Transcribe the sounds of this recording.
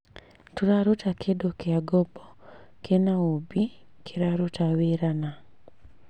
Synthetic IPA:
tuɾaɾutakʰedokeaɡɔbɔkʰenaobikʰeɾaɾotaweɾana

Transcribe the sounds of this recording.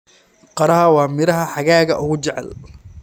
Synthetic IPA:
qɑɾɐɦɐwɑːmɪɾɐɦɐħaɣaːɣɐʔʊɣʊt͡ʃɛʕɛ̰l

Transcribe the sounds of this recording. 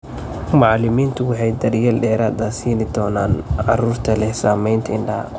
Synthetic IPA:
mɑʕɑlɪmiːnt̪ʰʊwɑħɑjd̪ɐɾjɐlɖɛːɾaːd̪ɐsiːnɪd̪ɔːnaːnʕɑ̰ruːrt̪ʰɐlɛhsaːmɛjnt̪ʰɐɪnɖɐ̰

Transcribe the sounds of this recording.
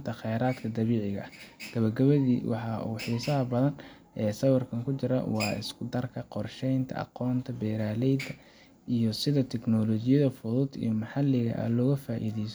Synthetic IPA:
nt̪ʰɐχɛjɾaːd̪kʰɐd̪ɐβiːʕɪɣɐ̰ʔɐɡ̥ɐβɐɡɐβɐðḭːwɑ̰ħɑʔṵːħiːsɐɦɐbɐðɐn | ʔɛːsɐwɑrkʰɐŋkʰʊt͡ʃɪɾɐ̰wɑːɪ̰skʰʊd̪ɐrkʰɐqɔrʃɛjnt̪ʰɐ̰ʔɑ̰qɔːnt̪ʰɐbɛːɾaːlɛjd̪ɐ | ijɞsɪðɐt̪ʰɛknɔːlɔːt͡ʃɪjɐðɐfʊðʊd̪ḭjɞmɑħɑlɪɣɐ̰ʔɐ̰lɔːɣɐfaːʔḭːðɛjs

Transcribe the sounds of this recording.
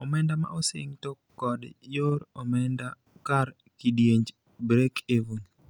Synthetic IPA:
ɔmɛndama̰ʔosɪ̰ŋtokːɔdjoɾɔmɛnda | kaɾ | kidjeɲd͡ʒ | bɾekʰevuŋ

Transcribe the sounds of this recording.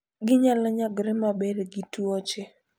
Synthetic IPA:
ɡɪɲalɔɲaɡɾɛmabeɾɡituɔt͡ʃe

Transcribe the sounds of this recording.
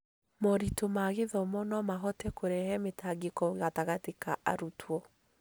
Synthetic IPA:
mɔɾitomaɣeðɔmɔnɔmaɦɔtɛkoɾɛhɛmetaɡekɔɣataɣatekaʔa̰ɾutwɔ

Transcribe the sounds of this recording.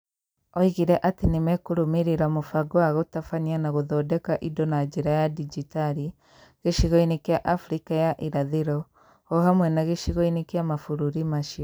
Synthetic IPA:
ɔiɣiɾɛʔatenemɛkoɾomiɾeɾamofaɡwaɣotafanianaɣoðɔːdɛkaʔidɔnad͡ʒeɾajadid͡ʒitaɾi | ɣeʃiɣɔinekjaʔafɾikajaʔiɾaðeɾɔ | ɔɦamwɛnaɣeʃiɣɔinekjamafuɾuɾimaʃiɔ

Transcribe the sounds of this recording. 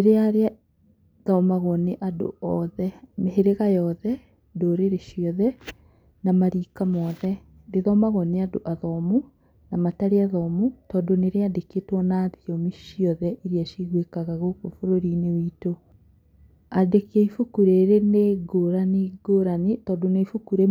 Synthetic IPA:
neɾeaɾea | ðaɔmaɣɔneʔado̰ɔðɛmeɦeɾeɣajɔðɛ | ndoɾeɾeʃiɔðɛ | namaɾiːkamɔðɛ | deðamaɣɔneadoʔaðɔmu | namataɾeaðɔmutɔːndoneɾeadeketwɔnaːðiɔmiʃiɔðɛʔiɾiaʃiɣwekaɣaɣokofoɾoɾinewiːto | adekeifukuɾeɾeneɡoɾaniɡoɾanitɔːndonefukuɾe

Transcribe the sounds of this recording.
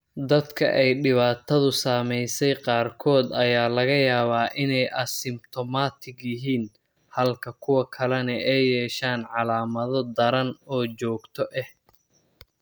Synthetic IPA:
d̪ɐd̪kʰɐ̰ʔɛjɖɪβaːt̪ʰɐðʊsaːmɛjsɛjqɑːrkʰɔːd̪ɐjaːlɐɣɐjaːβaːʔɪnɛjʔɐsɪmt̪ʰɔmaːt̪ʰɪɡjɪɦiːn | hɐlkʰɐkʰʊwɐkʰɐlɛnɐʔɛjːɛːʃaːnʕɑlaːmɐðɔd̪ɐɾɐnɔːt͡ʃɔːɡt̪ʰɔʔɛh

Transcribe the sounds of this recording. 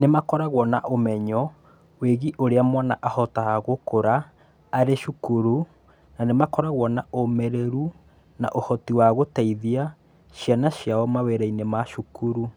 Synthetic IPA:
nemakɔɾaɣwɔnaʔomɛɲɔ | weɣiʔoɾeamwana̰ʔahɔtahaɣokoɾaː | ɾeʃukuɾu | nanemakɔɾaɣwɔnaomɛɾɛɾu | na̰ʔohɔtiwaɣotaiðia | ʃjanaʃjaɔmaweɾainemaʃukuɾu

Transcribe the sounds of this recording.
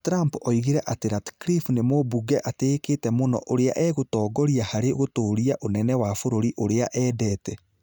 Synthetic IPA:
tɾampɔiɣiɾɛʔateɾatkɾifnemobuɡɛʔateːketɛmonɔ̰ʔoɾeaʔɛɣotɔːɡɔɾiahaɾeɣotoːɾiaʔonɛnɛwafoɾoɾiʔoɾeaʔɛːdɛːtɛ

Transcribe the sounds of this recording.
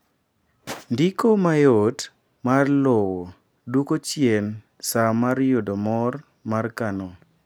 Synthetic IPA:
ndikomajot | marlowo | dwukot͡ʃjen | samaɾjodomɔr | markano

